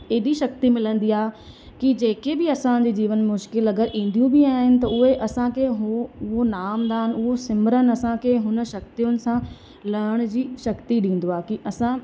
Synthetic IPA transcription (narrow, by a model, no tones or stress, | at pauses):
eɦd̪iʃɐk̚t̪imɪlə̃nd̪iaːɦe | kid͡ʑeːkebɪɐsãd͡ʑiːd͡ʑiːʋənmʊʃkɪlɐɡəɾʔĩːn̆d̪ijũbiaːɦɪnɪ̆t̪ɐʊɦeʔɐsãkʰeɦʊɦonaːmd̪aːɦɪnɪʊɦosɪmɾənɪ̆ɐsãkʰeɦʊnə̆ʃɐk̚t̪ijʊnɪ̆sã | lɐːɽ̃ʊ̆d͡ʑiːʃɐkt̪iɗĩːn̆d̪oaːekiʔɐsã